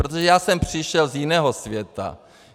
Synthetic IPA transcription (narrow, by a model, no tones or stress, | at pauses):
ɾot̪̬oʒɛjaːsɛmpr̝̥ɪʃɛlzjɪnɛːɦo̞svjɛt̪a̰